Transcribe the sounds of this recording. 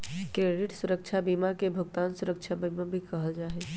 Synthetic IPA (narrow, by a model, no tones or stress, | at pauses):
kɾeɖɪʈsʊɾəkt͡ʃʰabimakebʱʊɡt̪aːnsuɾək̚t͡ʃʰabimãbʱikəɦəld͡ʒaːɦɛ